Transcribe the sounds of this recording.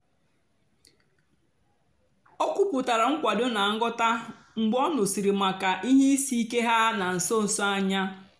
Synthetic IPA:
o˦kʷu˦pʊ˨ta˨ɾa˨ŋ̩˦kʷa˨dʊ˦na˨˦ŋ̩˦ɡɔ˦ta˦ | ŋ͡m̩˨ɡ͡bɔ˦nʊ˨si˨ɾi˨ma˨ka˨ʔi˦ɦi˦i˦si˦i˦ke˦ɦa˦na˨n̩˨so˦n̩˨sa˦ɲa˦

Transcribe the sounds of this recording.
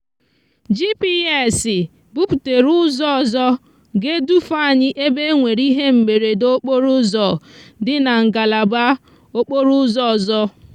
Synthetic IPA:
d͡ʒi˦pi˦e˦˨sɪ˨ | bu˦pu˨te˨ɾʊ˦zɔ˦ɔ˨zɔ˦ | ɡe˦du˦fa˦a˨ɲɪ˦ʔe˦be˦ŋʷe˨ɾi˦ɦe˦m̩˨me˨ɾe˨do˦k͡po˦ɾʊ˦zɔ˨dɪ˦na˨ŋ̩˨ɡa˨la˨ba˦ | o˦k͡po˦ɾu˦zɔ˦˨zɔ˦

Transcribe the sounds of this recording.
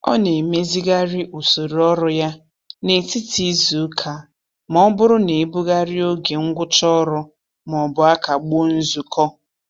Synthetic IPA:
ɔ̰˦ne˨me˦zi˦ɡa˦ɾɪ˦ʔu˨so˨ɾɔ˦ɾʊ˦ja˦ | ne˨ti˦ti˦zu˨˦kʰa˨ | mɔ˦bʊ˦ɾʊ˦ne˨˦bu˦ɣa˦ɾɪ˦o˦ɡe˨ŋ̩˦ɡʷʊ˦t͡ʃɔ˦ɾʊ˦ | m˨ɔ˨bʊ˨a˦ka˨ɡ͡bo˦n̩˦zu˨kʰɔ˦

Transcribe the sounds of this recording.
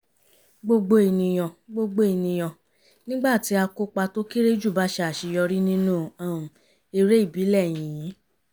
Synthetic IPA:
ɡ͡bo˧ɡ͡bo˧e˨nĩ˧j̃ɔ̃˨ɡ͡bo˧ɡ͡bo˧e˨nĩ˧j̃ɔ̃˨ | nĩ˦ɡ͡ba˦˨ti˨˦a˧ko˦k͡pa˧to˦ki˦ɾe˦d͡ʒu˦˨ba˨˦ʃɛ˧˦a˨ʃi˧jɔ˧ɾi˦nĩ˦nũ˦˨ã˨ũ˨ | e˧ɾe˦i˦˨bi˨˦lɛ˦˨j̃ĩ˨ĩ˨˦

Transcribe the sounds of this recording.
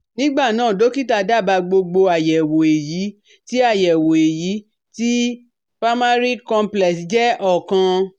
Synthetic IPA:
nĩ˦ɡ͡ba˦˨nãː˦˨do˨˦ki˦ta˧da˦˨ba˧ɡ͡bo˧ɡ͡bo˧a˨jɛ˨wo˨e˨ji˨˦ | ti˦a˦˨jɛ˨wo˨e˨ji˨˦ | ti˦ | pa˦ma˦ɾi˦kɔ̃˧mplɛ˨sd͡ʒɛ˦ʔɔ˦˨kã˧

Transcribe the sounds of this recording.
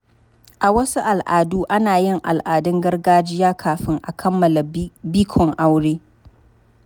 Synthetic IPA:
ʔa˨wɐ˦su˦ʔa˨lʔaː˨duː˦ʔa˦naː˨jɪ˦˨ŋʔa˨lʔaː˨dɪ˦ŋɡɐ˦rɡaː˦d͡ʒɪ˦jaː˦kʰaː˨ɸɪ˦ŋʔa˨kʰɐ˦mːɐ˨la˨biː˦kʷʰɔ˨ŋʔa˦wɽeː˦

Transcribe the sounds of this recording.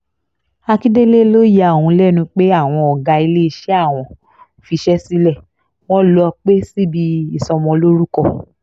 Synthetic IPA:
a˧ki˦de˦le˦lo˦je˦a˨wũ˧lɛ˦˨nũ˧k͡pe˦a˦˨w̃ɔ̃˧ɔ˨ɡa˧i˧le˦i˧ʃɛ˦a˦˨w̃ɔ̃˨ | fi˧ʃɛ˦si˦lɛ˦˨ | w̃ɔ̃˦lɔ˧k͡pe˦si˦bi˧i˦˨sɔ̃˧mɔ̃˧lo˦ɾu˦kɔ˦˨

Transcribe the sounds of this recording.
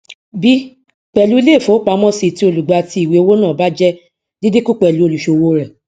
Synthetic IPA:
bi˦ | k͡pɛ˨lu˨˦i˦˧le˦˨fo˨˦k͡pa˧˦mɔ̃˦si˧ti˧˦o˧lu˨ɡ͡ba˧ti˧˦i˨we˨˦o˧˦wo˦nã˦˨ba˦d͡ʒɛ˦ | di˦di˦ku˦k͡pɛ˨lu˨˦o˧lu˨ʃo˨wo˧ɾɛ˨

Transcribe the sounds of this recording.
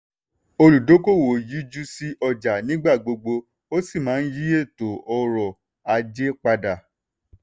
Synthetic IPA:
o˧lu˨do˨˦ko˦˨wo˨ji˨˦d͡ʒu˦si˦ʔɔ˧d͡ʒa˨nĩ˦ɡ͡ba˦˨ɡ͡bo˧ɡ͡bo˧ | o˦si˦˨mãː˨˦n̩˦ji˦e˦˨to˨ɔ˧ɾɔ˨ | a˧d͡ʒe˦k͡pa˧da˨

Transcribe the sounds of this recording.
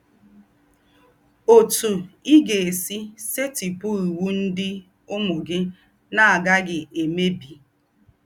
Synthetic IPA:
o˨tu˨i˦ɡe˨e˨si˦se˦ti˨pʊ˦i˨wu˦n̩˦dɪ˦ | ʊ˦mʊ˨ɡɪ˦ | na˦a˨ɡa˦ɡɪ˨ʔe˨me˦bi˨

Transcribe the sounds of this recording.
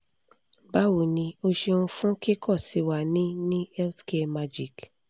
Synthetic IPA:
ba˦wo˨nĩ˧o˧ʃe˧nũ˧fũ˦ki˦kʰɔ˦˨si˨˧wa˨nĩ˦nĩ˦ɛ˦ltke˧ma˧d͡ʒi˦˨k

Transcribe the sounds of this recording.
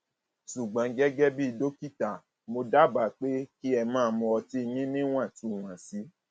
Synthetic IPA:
ʃu˨ɡ͡bã˨˧˦ɡɛ˦ɡɛ˦bi˦i˧do˦ki˦ta˨ | mo˧da˦ba˨k͡pe˦ki˦ɛ˧mãː˦˧˨mɔ̃˧ɔ˧ti˦˧jĩ˦nĩ˦w̃ã˦˨tu˨˦˨w̃ã˨si˨˦

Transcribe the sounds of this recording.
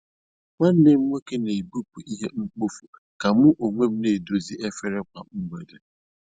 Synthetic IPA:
ŋa˦n̩˦ne˦m̩˦ŋʷe˦ke˦ne˨i˨bu˦pu˨ʔi˦ɦe˦ŋ͡m̩˦k͡po˦fu˨ | ka˨mʊ˦ʔo˨ŋʷe˦m̩˦ne˨do˨zi˦ʔe˦fe˦ɾe˦kʷa˨m̩˦ɡ͡be˨de˨

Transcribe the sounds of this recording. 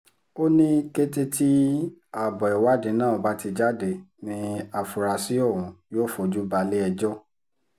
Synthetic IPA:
o˦nĩ˦ke˦te˦tʰi˦a˨bɔ˨ɛ˨wa˨˦dẽ˧˦nãː˦˨ba˨˦ti˧d͡ʒa˦de˨nĩ˧a˨fu˨ɾa˨˧si˦ɔ˦˨ɾ̃ũ˨˦joː˦fɔ˨d͡ʒu˦ba˧le˦ɛ˧d͡ʒɔ˦

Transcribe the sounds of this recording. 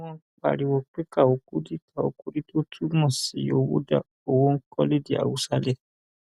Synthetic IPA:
wɔ̃˦k͡pa̰˦˨ɾi˨wɔ˧k͡pe˦ka˦˨o˨ku˦di˦ka˦˨o̰˨ku˦di˦to˦tʰu˦mɔ̃˦˨si˨˦o˦wo̰˦da̰˦˨ | o˨wo˦ŋ̩˦kɔ˦le˦di˦a̰˨wu˦sa˧lɛ˦˨

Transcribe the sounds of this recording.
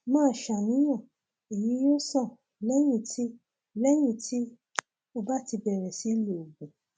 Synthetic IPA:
mãː˦˨ʃa˨nĩ˨˦j̃ã˦˨ | e˨ji˨˦jo˦sɔ˦˨ | lɛ˦j̃ĩ˦˨tʰi˦ | lɛ˦j̃ĩ˦˨tʰi˦ | o˧ba˦ti˧bɛ˨ɾɛ˨si˨˦le˨o˨ɡũ˨

